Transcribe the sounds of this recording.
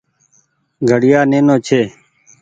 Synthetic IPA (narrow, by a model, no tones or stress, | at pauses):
ɡʱəɽɪjaːneːnoːt͡ʃʰeː